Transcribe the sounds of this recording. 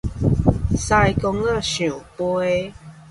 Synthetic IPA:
sa˧jkɔ˧ŋa˥˧˨ɕũ˨pɔ˦e˦

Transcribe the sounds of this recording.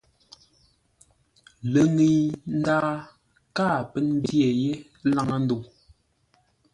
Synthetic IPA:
lə˨ŋi˨n̩˦daː˦ | kaː˦˨pɛ˦n˦bje˨je˦ | la˦˨ŋa˨n̩˦du˨

